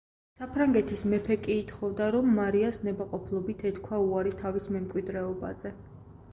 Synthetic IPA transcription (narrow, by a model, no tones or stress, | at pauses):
sapʰɾaŋɡɛt̪ʰismɛpʰɛkʼiːt̪ʰχɔvd̪aɾɔmːaɾiasnɛbaqʼɔpʰlˠɔbit̪ʰɛt̪kʰwauaɾit̪ʰavismɛmkʼwid̪ɾɛɔba̰zɛ